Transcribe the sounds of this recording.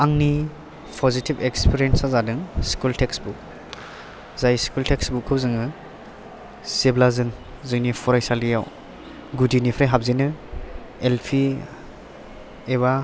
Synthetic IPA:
aŋni | pʰɔzitibekspʰiɾiensazadɯŋskultʰeksbuk | zajskultʰeksbukʰːɯwzɯŋɯ | seblazɯŋ | zɯŋnipʰɔɾajsalijaw | ɡudinipʰɾajɦab̚zinɯ | elpʰi | eβa

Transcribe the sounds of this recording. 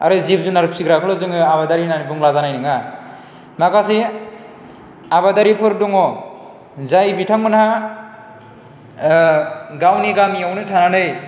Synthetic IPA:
a̰ɾɯzip̚zunaɾɯp̚siɡɾakʰɯlɔzɯŋɯaβadaɾinanibuŋlazanajnɯŋa | makasi | aβadaɾipʰɯɾ̚duŋɔ | zajbitʰaŋmɯnha | ɡawniɡamiawnɯtʰananɯj

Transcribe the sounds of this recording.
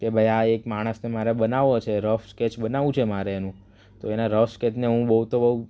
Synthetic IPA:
kebʱəjaekmaɽ̃əsnemaɾebənaʋot͡ʃʰeɾəfsket͡ʃɓənaʋũt͡ʃʰemaɾeenũ | t̪oenaɾəfsket͡ʃneɦũbəɦut̪obəɦu

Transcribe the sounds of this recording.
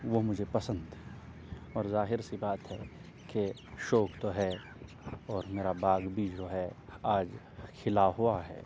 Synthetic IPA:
ʋomʊd͡ʒʱepɐsə̃nd̪ɛ | ɔːɾzaːɦɪɾsebaːt̪ɦɛ | ke | ʃoːkt̪oɦɛ | ɔːɾmeːɾabaːɡbʱid͡ʒoɦɛaːd͡ʒ | kʰɪlaɦuaɦɛ̰ː

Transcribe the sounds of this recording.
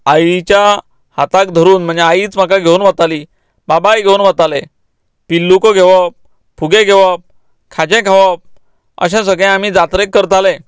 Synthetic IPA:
ait͡ɕja | hat̪akd̪ʱəɾuːnm̤əɳnd͡zeaiːt͡sm̤akaɡʱeunʋət̪aliː | babajɡʱeunʋət̪alẽ | pilːukɔɡʱeʋə | pʰuɡẽɡʱeʋəp̚ | kʰad͡ʑɛ̃kʰaʋəp̚ | ə̰ɕɛ̃s̬əɡɛ̃am̤iːd͡zat̪ɾẽkːəɾt̪alẽ

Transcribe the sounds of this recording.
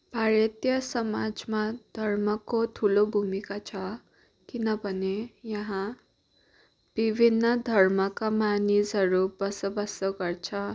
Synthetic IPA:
bʱaɾʌt̪jʌsʌmad͡zmad̪ʱʌrmʌkot̪ʰulobʱumikat͡sʰʌ | kinʌbʱʌnejʌɦã | b̥ibʱinːʌd̪ʱʌrmʌkamanisɦʌɾubʌsʌbʌsʌɡʌrt͡sʰʌ

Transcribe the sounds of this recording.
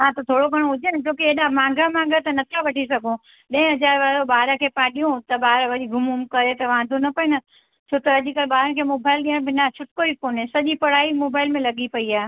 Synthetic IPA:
ɦãt̪ɐt̪ʰoːɽoɡʱɐɽ̃oɦʊd͡ʑenɪt͡ɕõːkeeːɗãmãːŋɡʱəmãːŋɡʱət̪ɐnɐt̪ʰaʋɐʈʰisɐɡʱõ | ɗɐ̃ɪ̃ɦɐzaːɾʋaːɾoɓaːɾəkʰeːpãːɗiũt̪ɐɓaːɾʋɐɗiɡʱʊmʊmkɐɾet̪ɐʋãːnd̪ʱonɐpɐenɐ | t͡ʃʰoːt̪ɐʄikɐlɓaːɾəñkʰeːmoːbaːɪlɗiːəɽ̃bɪnat͡ɕʰʊʈkoikoːnesɐʄipɐɽ̤aːimoːbaːɪlmẽlɐɠipɐiaːe

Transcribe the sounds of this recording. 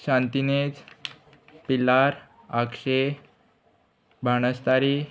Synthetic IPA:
ɕant̪inet͡s | pilaɾ | akʂe | bʱaɳ̃əst̪aɾi

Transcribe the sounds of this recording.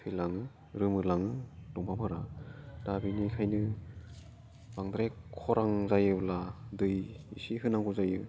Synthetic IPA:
pʰɯjlaŋ | ɾɯmɯlaŋd̥ɔŋpʰamhɯɾad̥abinikʰajnɯ | b̥aŋd̪ɾajkʰɔɾaŋzajɯladɯjisiɦɯnaŋkʰuzajɯ

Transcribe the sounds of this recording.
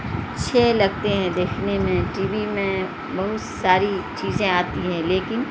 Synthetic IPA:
tːʃʰelɐɡ̚t̪eɦɛ̃d̪eːkʰnemẽʈiːʋimẽ | bɐɦʊt̪saːɾit͡ʃiːzẽaːt̪iɦɛ̃leːkɪn

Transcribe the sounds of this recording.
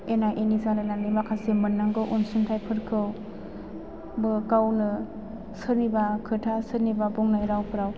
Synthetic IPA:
enaʔinizanɯlanːimakʰasemɯnːaŋɡɯʔunsɯntʰajpʰɯɾkʰɯw | bɯkawnɯ | sɯɾnibakʰɯtʰasɯɾnibabɔŋnajɾawpʰɯɾaw

